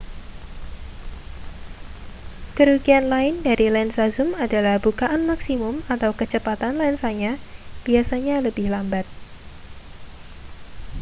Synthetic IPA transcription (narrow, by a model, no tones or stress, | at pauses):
kəɾuɡianlaɪndaɾilansazʊmadalahbukaʔanmaksimʊmat̪awkət͡ʃəpat̪anlaɪnsaɲab̥iasaɲaləbɪhlambat̪̚